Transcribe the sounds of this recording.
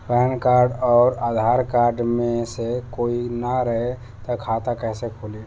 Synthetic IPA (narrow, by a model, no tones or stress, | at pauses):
pəɦənkaɾɖɔːɾad̪ʱaɾkaɾɖmẽsekoinaɾəɦe | t̪əkʰat̪akɛɦsekʰole